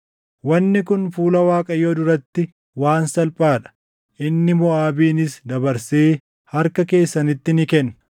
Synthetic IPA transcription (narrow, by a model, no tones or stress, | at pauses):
wɐnːɪkʊnfuːlɐwaːkʼɐjoːd̪ʊɾɐt̪ːɪ | waːnsɐlpʼaːᶑɐ̥ | ʔɪnːɪmʊaːbiːnɪsd̪ɐbɐɾseː | hɐɾkɐke̞ːsːɐnɪt̪ːɪnɪkɛn